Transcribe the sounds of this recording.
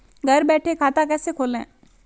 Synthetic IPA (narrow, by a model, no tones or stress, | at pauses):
ɡʱɐɾbɛːʈʰekʰaːt̪akɛːsekʰoːlẽː